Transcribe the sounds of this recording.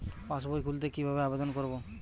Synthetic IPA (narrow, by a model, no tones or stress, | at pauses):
pas̬bojkʰult̪̬ekibʱabeabed̪ɔnkoɾbo